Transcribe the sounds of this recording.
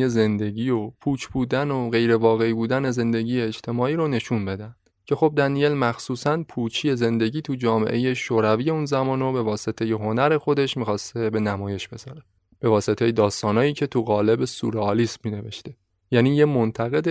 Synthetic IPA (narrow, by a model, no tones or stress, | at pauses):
je̞ze̞nd̪e̞ɟiːopʰuːt͡ʃʰbuːd̪ænoɣe̞jɾe̞vɒːɣe̞ibuːd̪æne̞ze̞nd̪e̞ɟiːjeːd͡ʒt̪ʰe̞mɒːʔiːɾone̞ʃunbe̞d̪ænd̪̥cʰe̞xo̞b̚d̪ænije̞lmæxsuːsænpʰuːt͡ʃʰije̞ze̞nd̪e̞ɟiːt̪ʰud͡ʒɒːme̞̰ʔe̞je̞ʃoːɾæviːje̞unzæmɒːnobe̞vɒːse̞t̪ʰe̞jeɦo̞næɾe̞xo̞d̪e̞ʃmiːxɒːst̪e̞be̞næmɒːje̞ʃb̥e̞zɒːɾe | b̥e̞vɒːse̞t̪ʰejed̪ɒːst̪ɒːnɒːjiːcʰe̞t̪ʰuɣɒːle̞be̞sṵɾeɒːliːsmiːne̞ve̞ʃt̪e̞ | jæːniːjemont̪ʰæɣe̞d̪